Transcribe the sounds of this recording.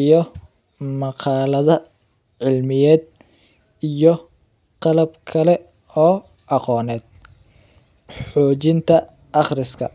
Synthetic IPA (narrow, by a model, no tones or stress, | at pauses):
ijɔ | mɑqɑːlɐðɐ | ʕɪlmɪjɛːd̪̚ | ijɔ | qɑlɐbkʰɐlɛ | ɔː | ʔɑqɔːnɛːd̪̚ | ħɔːt͡ʃɪnt̪ʰɐ | ʔɑχrɪskʰɐ̰